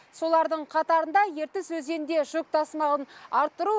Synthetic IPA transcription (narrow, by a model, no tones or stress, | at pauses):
so̞lˠɑɾd̪əɴqʰɑt̪ɑɾənd̪ɑje̞ɾt̪ɪsɵze̞nd̪e̞ʒʊk̚t̪ʰɑsmɑʁənɑɾt̪ːəɾu